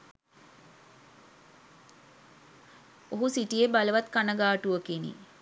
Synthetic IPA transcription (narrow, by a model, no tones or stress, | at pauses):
oɦusiʈijebaləʋat̪kanəɡaːʈuʋəkinḭ